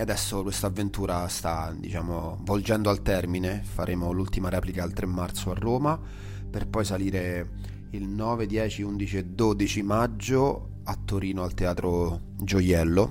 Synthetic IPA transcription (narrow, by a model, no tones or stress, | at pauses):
ad̪ɛsːokwest̪avːent̪uːɾast̪ad̪ḭt͡ʃaːmo | vold͡ʒɛnd̪oalt̪ɛrminefaɾʔeːmolult̪imaɾɛːplikaelt̪ɾemːart̪soarːoːma | perpɔjsaliːɾe | ilnɔːved̪jɛːt͡ʃiund̪it͡ʃied̪oːd̪it͡ʃimad͡ʒːo | at̪ːoɾiːnoalt̪eaːt̪ɾo | d͡ʒojɛlːo